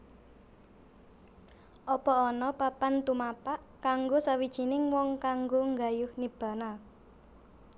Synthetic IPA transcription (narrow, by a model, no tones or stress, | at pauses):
ʔɔpɔɔnɔpapant̪umapaʔ | kaŋɡosawid̥ʒ̥i̤nɪŋwɔŋkaŋɡoŋɡajʊhnib̥a̤na